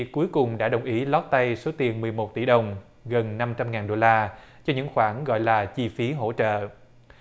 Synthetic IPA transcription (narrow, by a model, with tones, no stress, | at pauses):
kːu˨˦jkʊ˨˩ŋ͡mɗa̰ː˧˥ɗə˨˩wŋ͡mʔi˨˦lɔ˦˥t̚t̪a˧jso˨˦t̪i˨˩ənmɨ˨˩əjmo˨˩t̚t̪i˧˩ɗə˨˩wŋ͡m | ɣə˨˩nːa˧mt͡ɕa˧mŋaː˨˩nɗo˧laː˧ | t͡ɕɔ˧ɲɨ̰˧˥ŋxwaː˧˩nɣɔ̰˧˨jlaː˨˩t͡ɕi˧fi˨˦ɦo̰˧˥t͡ɕə̰ː˧˨